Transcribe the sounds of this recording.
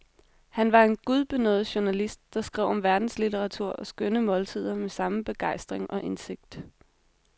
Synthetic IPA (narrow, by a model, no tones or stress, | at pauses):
hænʋɑ̈e̝nɡ̥uð̞ˠb̥e̝nɔ̰ð̩ˠɕunælisd̥̚ːɑ̈sɡ̥ʁɛʊ̰ɒ̽mʋæɐd̥n̩slit͡sʰeʁɑ̈t͡sʰuɐ̰ɒ̽sɡ̥ønəmɒ̽lt͡sʰið̞̰ˠɐmesɑ̈məb̥e̝ɡ̥ɑ̈ɪ̰sd̥ʁeŋʔɒ̽ʔe̝nse̝ɡ̥̚d̥